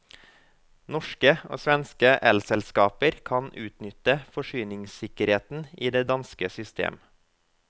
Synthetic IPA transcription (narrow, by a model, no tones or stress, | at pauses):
nɔʃkəʔo̰ːsʋɛnskəʔɛlsɛlskɑːpəɾkʰɑnʉːt̪nʏt̪əfɔʃyːnɪŋsɪkəɾheːt̪n̩iːd̪eːd̪ɑnskəsʏst̪ʰḛːm